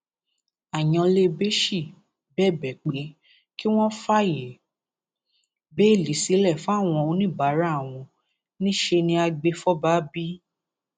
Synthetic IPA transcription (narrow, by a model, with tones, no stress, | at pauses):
a˨j̃ɔ̃˧le˦be˦ʃi˦˨ | bɛ˦˨bɛ˨k͡pe˨˦ | ki˦w̃ɔ̃˦fa˦je˨ | be˦i˦˨li˨˦si˨˦lɛ˦˨fa˦˨w̃ɔ̃˧o˨˧˦nĩ˦˨ba˨˦ɾa˦˨w̃ɔ̃˧ | nĩ˦ʃe˧nĩ˧a˧ɡ͡be˧fɔ˦ba˦bi˦